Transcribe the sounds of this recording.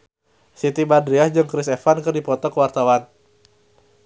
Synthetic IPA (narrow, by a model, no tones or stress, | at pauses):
sit̪ibadɾiahd͡ʒɨŋkɾɪs̬ɛfankɨrdipɔt̪ɔkəwart̪awan